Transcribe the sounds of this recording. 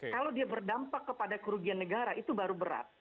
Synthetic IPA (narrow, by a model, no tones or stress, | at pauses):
kkalawdiabərdampakːəpadakuɾuɡianːəɡaɾaʔit̪ubaɾubəɾa̰t̪̚